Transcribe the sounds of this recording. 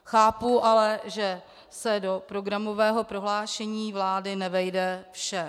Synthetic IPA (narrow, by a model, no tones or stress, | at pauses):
xaːpuʔalɛʒɛ | sɛdo̞pɾo̞ɡɾamo̞vɛːɦo̞pɾo̞ɦlaːʃɛɲiːvlaːdɪnɛvɛjdɛfʃɛ